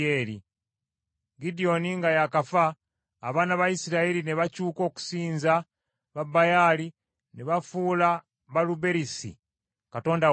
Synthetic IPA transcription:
eːɾi | ɡidio̞niŋɡajakafaː | βaːnaβajisiɾaeɾine̞βacuːko̞ːku̥siːnza | βabajali | neβafuːla | βalube̞ɾisḭ | kato̞ːnda

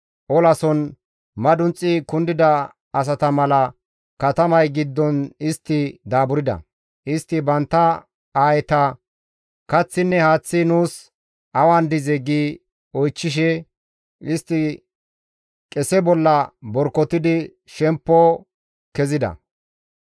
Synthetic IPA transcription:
ʔɔlɐsɔn | mɐd̪ʊnt͡sʼːɪkʊnd̪ɪd̪ɐ | ɐs̬ɐt̪ɐmɐlɐ | kɐt̪ɐmɐjɡɪd̪ːɔnɪst̪ːɪd̪aːbʊɾɪd̪ɐ̰ | ʔɪst̪ːɪbɐnt̪ːɐ | aːjɛt̪ɐ | kɐt͡sːɪnːɛhaːt͡sːɪnuːs | ʔɐwand̪ɪzɛɡiː | ɔjt͡ʃːɪʃ̬ɛ | ɪst̪ːɪ | kʼɛsɛbɔlːɐbɔɾkːɔt̪ɪd̪ɪ | ʃɛmpːɔ | kɛzɪd̪ɐ̰

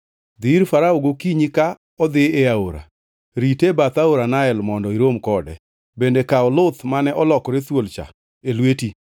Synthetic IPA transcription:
d̪ɪɾfaɾaoɡokiɲika | ɔd̪ɪeaoɾa̰ | ɾitebat̪aoɾanaɛlmɔndɔiɾomkɔdɛ̰ | bendekaɔlʊt̪manɛʔɔlɔkɔɾet̪wolt͡ʃa̰ | elweti

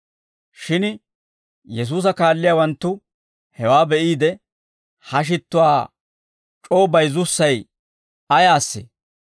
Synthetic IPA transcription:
ʃɪn | jɛs̬uːs̬ɐkaːlːɪjaːwɐnt̪ːʊ | hɛwaːbɛʔiːd̪ɛ | hɐʃ̬ɪt̪ːʊwaː | t͡ʃʼo̞ːbɐjzʊsːɐj | ɐjaːsːḛː

